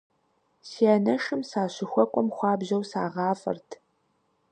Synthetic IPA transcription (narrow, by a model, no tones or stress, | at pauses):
siaːnɐʂɨmsaːɕɪxʷɔkʷʼɔmχʷɑːbʑɐwsaːʁɑːfʼɐ̰rtʰ